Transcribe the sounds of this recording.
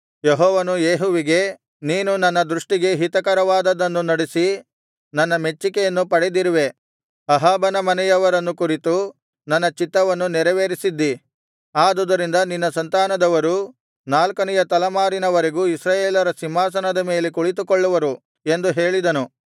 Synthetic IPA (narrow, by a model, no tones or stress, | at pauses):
jeɦɔːʋɐnujeːɦuʋiɡe̞ | niːnunɐnːɐd̪ɾuʂʈiɡe̞ɦit̪ɐkɐɾɐʋaːd̪ɐd̪ɐnːunɐɽisi | nɐnːɐme̞t͡ʃːikejɐnːupɐɽed̪iɾiʋe̞ | ɐɦaːbɐnɐmɐnɛjɐʋɐɾɐnːukuɾit̪u | nɐnːɐt͡ʃit̪ːɐʋɐnːunɛɾɐʋeːɾisid̪ːi | aːd̪ud̪ɐɾind̪ɐninːɐsɐnt̪aːnɐd̪ɐʋɐɾu | naːlkɐnɛjɐt̪ɐlɐmaːɾinɐʋɐɾeɡuːisɾaːjeːlɐɾɐsimːaːs̬ɐnɐd̪ɐmeːlekuɭit̪̬ukɔɭːuʋɐɾu | e̞nd̪uɦe̞ːɭid̪ɐnu